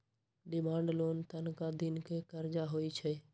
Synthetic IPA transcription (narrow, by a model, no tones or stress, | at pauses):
ɖɪmãːɳɖloːnt̪ənkad̪ɪnkekəɾd͡ʒaɦoːit͡ʃʰɛ